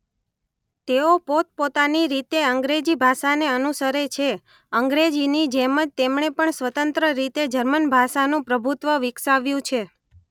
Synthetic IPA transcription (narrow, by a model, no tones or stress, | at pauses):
t̪eopot̪̚pot̪aniɾit̪eəŋɡɾed͡ʒibʱaʃaneənusəɾet͡ʃʰe | əŋɡɾed͡ʒinid͡ʒeməd͡ʒt̪emɳepəɳsʋət̪ənt̪ɾəɾit̪ed͡ʒəɾmənbʱaʃanũpɾəbʱut̪ʋəʋɪksaʋjũt͡ʃʰe